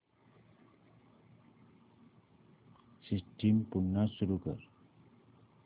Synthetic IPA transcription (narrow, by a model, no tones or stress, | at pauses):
sisʈimpunːasuɾukə̰ɾ